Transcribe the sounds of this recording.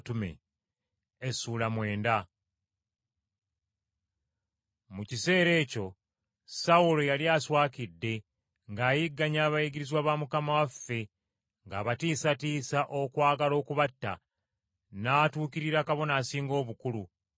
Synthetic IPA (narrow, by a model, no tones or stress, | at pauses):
tume̞̰ | suːlamwe̞ːnda | mucise̞ːɾe̞ːco̞ | saulo̞jaljaːswaːkidːe̞ | ŋɡaːjiɡːaɲaːβajiɡiɾizwaːβamukamawafːe̞ | ŋɡa̰ːβatiːsatiːsaʔo̞kwaːɡalo̞ːkuβatːa̰ | naːtuːkiɾiɾakaβo̞naːsiːŋɡo̞ːβukulu